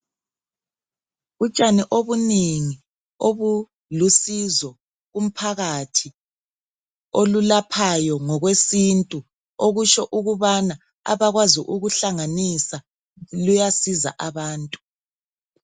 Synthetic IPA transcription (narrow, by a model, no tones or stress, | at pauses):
ut͡ʃʼaniʔoβuniŋi | oβu | lusizɔ | ɣum̩pʰaɣatʰi | olulapʰajɔŋɔɣwesintʼu | oɣut͡ʃʼɔʔuɣuβana | a̰βaɣwaziʔuɣuɬaŋanisa | lujasiza̰ʔaβaːntʼu̥